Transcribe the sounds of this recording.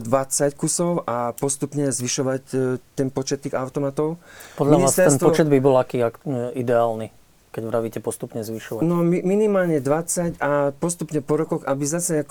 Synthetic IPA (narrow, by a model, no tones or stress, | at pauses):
d̪ʋat͡sackusɔʊʔapɔst̪upɲɛzʋiʃɔʋact̪ɛnpɔt͡ʃɛt̪ːiːɣaʊt̪ɔmat̪ɔʊpɔd̪lʎaniaːst̪ɛɾɛsnp̪ɔɔt͡ʃɛd̪bibɔlakiːakid̪ɛaːlni | kɛɟʋɾaʋiːcɛpɔst̪upɲɛzʋiʃɔʋanɔmiminimaːlɲɛd̪ʋat͡sacapɔst̪upɲɛpɔɾɔkɔɣabizasɛak